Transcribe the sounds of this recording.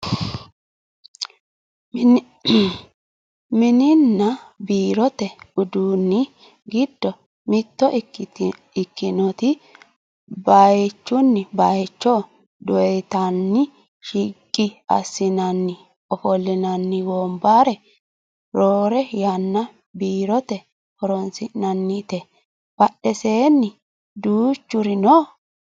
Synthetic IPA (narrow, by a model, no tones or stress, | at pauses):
mɪnɪnːɐbiːɾɔt̪ɛʊd̪uːnːɪ | ɡɪd̪ːɔ | mɪt̪ːɔ | ɪkːɪnɔt̪ɪ | bajt͡ʃːʊnːɪbajɛt͡ʃːɔ | d̪ɔɛt̪ɐnːɪ | ʃikʼːɪɐ̰sːɪnɐnːɪ | ɔfɔlːɪnɐnːɪwɔmbaːɾɛ | ɾoːɾɛjanːɐ | biːɾɔt̪ɛ | hɔɾɔnsɪnːɐnːɪt̪ɛ | b̥ɐɗːɛse̞ːnːɪ | d̪uːt͡ʃːʊɾɪnoː